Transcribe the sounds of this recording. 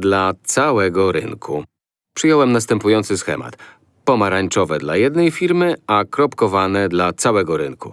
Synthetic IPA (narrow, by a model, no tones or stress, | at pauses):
d̪lat̪sawɛɡɔɾɘ̰ŋkʰu | pʂɘjɔwɛmnast̪ɛmpujɔnt̪sɘsxɛ̰ma̰t̪ | pɔmaɾaɲt͡ʂɔvɛd̪lajɛd̪nɛjfʲiɾmɘakɾɔpkɔvanɛd̪lat̪sawɛɡɔɾɘnku